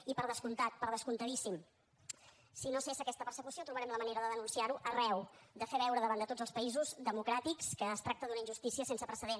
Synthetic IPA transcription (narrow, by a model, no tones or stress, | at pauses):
ipəɾðəskunt̪at̪̚pəɾð̞əskunt̪əðisim | sinosesəkɛst̪əpəɾsəkusiot̪ɾuβəɾɛmləməneɾəðəðənunsiaɾuʔərɛwd̪əfeβɛwɾəðəβand̪ət̪odzəlˠspəizuzd̪əmukɾat̪ikskəːst̪ɾak̚t̪əðunəind͡ʒʒust̪isiəsensəpɾəsəðen